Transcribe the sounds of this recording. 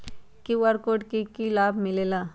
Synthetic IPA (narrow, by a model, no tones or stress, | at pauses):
kiwəɾkoːʈkikilaːbʱmɪleːlaː